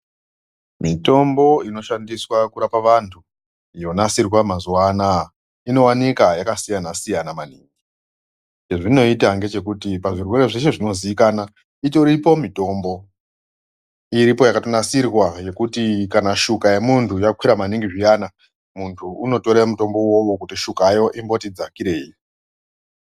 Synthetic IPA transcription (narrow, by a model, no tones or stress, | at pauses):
mito̞mbo̞ino̞ʃandiswakuɾapaʋantʰu | jo̞nasirwamazuwana | ino̞wanikajakasijanasijanamaniːŋɡi | t͡ʃe̞ʐino̞itaŋɡe̞t͡ʃe̞kutipaʐirwe̞ɾe̞ʐeʃe̞ʐino̞ziikana | ito̞ɾipo̞mito̞ːmbo̞ | iɾipo̞jakatonasirwaje̞kutikanaʃukaje̞muntʰujakwiɾamaniŋɡiʐijana | muntʰuuno̞to̞ɾemuto̞mbo̞wo̞wokutiʃukajo̞ʔimbo̞tid͡zakiɾe̞iji